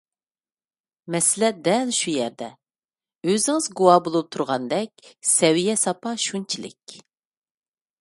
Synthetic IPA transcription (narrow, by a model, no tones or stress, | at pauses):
mɛsɪlɛd̪ɛlʃujɛɾd̪ɛ | øzɪŋɨzɡuwɑbolˠup̚t̪ʰuɾʁɑnd̪ɛk̚ʲsɛwijɛsɑpʰɑʃunt͡ʃʰilɪ̰kʲ